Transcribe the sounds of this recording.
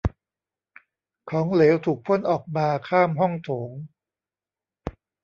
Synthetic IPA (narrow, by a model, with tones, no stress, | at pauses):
kʰɔː˩˦ŋleː˩˦wt̪ʰuː˨˩k̚pʰo˥˩˨nʔɔː˨˩k̚maː˧kʰaː˥˩mɦɔ˥˩ŋt̪ʰoː˩˦ŋ